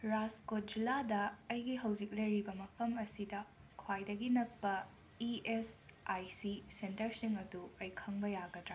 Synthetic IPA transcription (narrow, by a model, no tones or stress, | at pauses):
ɾaskot̚d͡ʒiladɐːjɡiɦɐwd͡ʒik̚lɐjɾibɐmɐpʰɐmɐsidɐkʰwajdɐɡinɐpːɐ | iesajsisentɐɾsiŋɐduɐjkʰɐŋbɐjaɡɐdɾa